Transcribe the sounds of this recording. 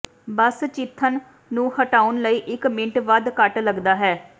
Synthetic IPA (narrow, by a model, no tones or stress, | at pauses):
bəst͡ʃɪt̪ʰːənː | ũːhəʈaːʊnləiːʔɪkmɪ̃ɳʈʋəd̪kəʈləɡd̪aːɦɛː